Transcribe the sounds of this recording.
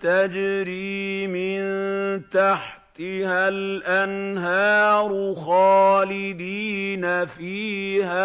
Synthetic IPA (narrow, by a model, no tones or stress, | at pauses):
t̪ad͡ʒɾiːmɪnt̪aħt̪ɪhalʔanɦaːɾˤxɑːlɪd̪iːnafiːha